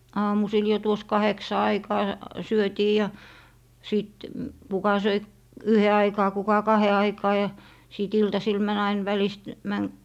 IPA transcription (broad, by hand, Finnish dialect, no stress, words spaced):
ɑːmusil jo tuos kɑheksɑ ɑikɑː syøtiː jɑ siˑt kukɑ søi yhe ɑikɑː kukɑ kɑhe ɑikɑː jɑ siˑt iltɑsil mæn ɑin ʋælist mæn